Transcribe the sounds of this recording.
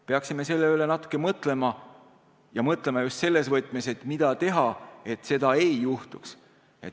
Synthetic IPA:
pe̞ɑksime̞se̞lːeyːle̞nɑt̪ːˑu̥kːˑe̞mɤt̪ˑle̞mɑ | jɑmɤt̪ˑle̞mɑjust̪se̞lːe̞svɤt̪ˑmese̞t̪mid̪̥ɑt̪e̞ɦɑe̞t̪ːˑse̞d̪̥ɑe̞jjuht̪uks | e̞t̪

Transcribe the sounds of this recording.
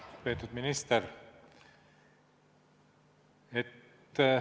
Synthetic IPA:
pe̞ːt̪ud̪minist̪er | et̪ː

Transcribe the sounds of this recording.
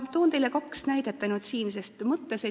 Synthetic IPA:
t̪oːnt̪ejlekɑksnæjd̪et̪ːˑɑnud̪siːnse̞st̪mɤt̪ːˑese

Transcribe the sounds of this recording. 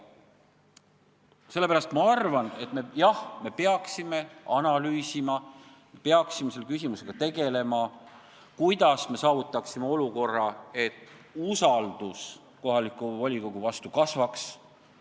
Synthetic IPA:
se̞lːepæɾɑst̪mɑɑrvɑne̞t̪ˑme̞jɑhme̞pe̞ɑksime̞ɑnɑlyːsimɑ | mepe̞ɑksimese̞lːe̞k̬ys̬ʲimuse̞ɡ̥ɑt̪e̞ɡe̞le̞mɑ | kujd̪̥ɑsme̞sɑːvut̪ːˑɑksimeo̞luko̞rːɑe̞t̪ːˑusɑld̪̥us | ko̞ɦɑlikːˑuvɑlʲiko̞ɡ̥uvɑst̪ukɑsvɑks

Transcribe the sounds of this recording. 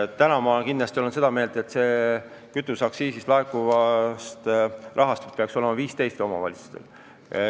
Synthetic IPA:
t̪ænɑmɑkinːlɑst̪ioense̞d̪ɑme̞ːld̪e̞t̪ːse̞ː | kyt̪ːˑusɑksiːsislɑekuvɑst̪ʔɑɦɑst̪u̥t̪peɑkso̞le̞mɑviːst̪e̞jst̪eo̞mɑ̰vɑ̰lʲitsu̥st̪e̞̰l

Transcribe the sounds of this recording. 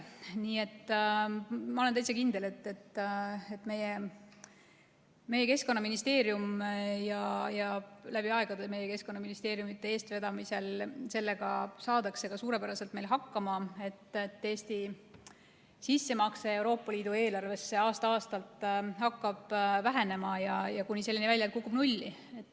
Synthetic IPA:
niːe̞t̪ː | mɑo̞lenæjsekind̪̥e̞le̞t̪ːe̞t̪ːet̪me̞je | me̞je̞ke̞skonːɑminist̪e̞ːɾjumjɑjɑlæb̥iɑe̞ɡ̥ɑd̪eme̞je̞ke̞sko̞nːɑminist̪eːɾjumit̪ːe̞e̞ːst̪ve̞d̪ɑmise̞lse̞lːe̞ɡ̥ɑ̰sɑːd̪̥ɑkse̞ɡ̥ɑsuːɾepæɾɑse̞lt̪melɦɑkːɑmɑe̞t̪ːt̪ːe̞ːst̪i | sisːe̞mɑkse̞e̞wɾo̞ːpːˑɑliːd̪ue̞ːlɑrve̞sːe̞ɑːst̪ɑɑːst̪ɑlt̪ːˑhɑkːɑb̥væɦe̞ne̞mɑjɑjɑkunʲise̞lːinivælʲjɑt̪kukːˑub̥nulʲːi | e̞t̪ːˑ

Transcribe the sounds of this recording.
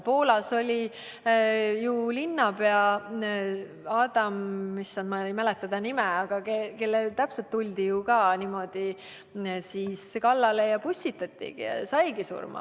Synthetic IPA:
po̞ːlɑso̞lʲi | julinːɑbeɑ | ɑːd̪ɑmːisːɑnmɑjmælet̪ːˑɑd̪̥ɑnimɛɑɡ̥ɑkeke̞lːelt̪æpset̪ːulʲd̪̥ijukɑːnimo̞d̪̥i | siːskɑlːɑlejɑpusʲtit̪ːɑt̪ʲːḭɡ̥ḭjɑ̰sɑjɡisṵrmɑ̰

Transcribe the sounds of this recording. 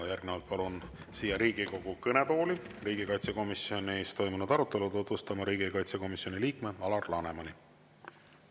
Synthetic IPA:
jærɡnevɑlt̪̚pɑlun | siːjɑɾiːɡ̥iko̞ɡ̥ukɤne̞po̞ːli | riːɡikɑjt̪seko̞misjo̞neːst̪o̞jmunud̪̥ɑɾut̪ːˑe̞lut̪ut̪vust̪ɑmɑɾiːɡikɑjt̪seko̞misjo̞nʲiliːkme̞ɑlɑrlɑne̞mɑni

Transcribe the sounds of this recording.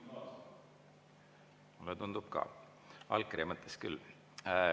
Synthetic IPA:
mulːet̪und̪̥ub̥̚kɑ̰ː | ɑlkːremət̪ʰˑːeskylː

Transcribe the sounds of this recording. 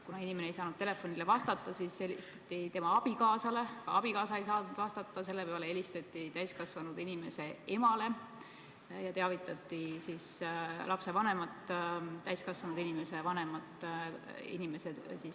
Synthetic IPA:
kunɑinimeneejsɑːnud̪̥t̪e̞le̞fːo̞nile̞vɑst̪ɑt̪ːˑɑsiselist̪ɑ̥t̪ːˑit̪e̞mɑɑb̥ikɑːsɑle̞kɑ̰ɑb̥ikɑːsɑejsɑːud̪̥vɑst̪ɑt̪ˑːɑs̬e̞lːepæɑlee̞list̪ɑt̪ˑːit̪æjskɑsvɑnud̪inime̞se̞e̞mɑle̞ | jɑt̪e̞ɑvit̪ːˑɑt̪ːˑisislʔɑpse̞vɑne̞mɑt̪ˑːæjskɑsvɑnud̪inime̞se̞vɑne̞mɑt̪ːˑ | ḭnime̞sesis

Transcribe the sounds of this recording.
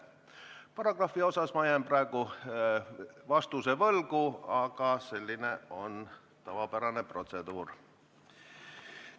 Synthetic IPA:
pɑrɑɡ̥rɑfːio̞sɑsmɑjɑmprɑeɡu | vɑst̪usevɤlɡuɑkɑse̞lʲːineo̞n | t̪ɑvɑpæɾɑnepro̞t̪sed̪̥uːr

